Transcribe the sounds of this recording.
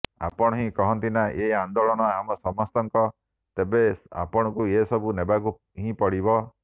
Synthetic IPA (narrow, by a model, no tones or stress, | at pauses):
a̰pɔɽ̃ɔɦĩkɔɦɔnt̪inaʔeand̪oɭɔɽ̃ɔamɔsɔmɔst̪ɔŋkɔ | t̪ebea̰pɔɽ̃ɔkuesɔbunebaku | ɦĩpɔɽibɔ